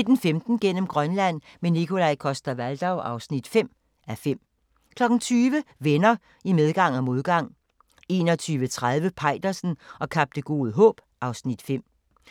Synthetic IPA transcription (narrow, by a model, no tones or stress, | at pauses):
ned̥n̩femd̥n̩ɡ̥en̰əm̩ɡ̥ʁɶnlæn̰menikʰo̝lɑɪkʰɒ̽sd̥ɐʋæld̥ɑʊʔɑ̈ʊsnid̥fem̰ | æfem̰ | kʰlɒ̽ɡ̥n̩t͡sʰyːʋəʋenɐ | imeð̞ˠɡ̥ɑ̈ŋ̰æmo̝ð̞ˠɡ̥ɑ̈ŋ̰ | e̝̰ːnɒ̽t͡sʰyːʋət͡sʰʁað̞ˠʋəpʰɑ̈ɪ̰d̥ɐsn̩ɒ̽kʰɑb̥̚d̥əɡ̥o̝ːð̞ˠɦɔ̰̽ːb̥ | ʔɑ̈ʊsnid̥fem̰